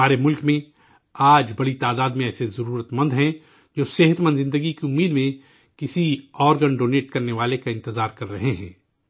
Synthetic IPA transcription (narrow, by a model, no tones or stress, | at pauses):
aːɾemʊlkmẽ | aːd͡ʒbɐɽit̪aːd̪aːd̪mẽɛːsezɐɾuːɾət̪mɐ̃nd̪ɦɛ̃ | d͡ʒoːseɦət̪mə̃nd̪zɪ̃nd̪əɡikiʊmːiːd̪mẽ | kɪsiɔːɾɡənɖoːneːʈkɐɾneʋaːlekaɪ̃nt̪ɪzaːɾkɐɾːɐɦeɦɛ̰̃ː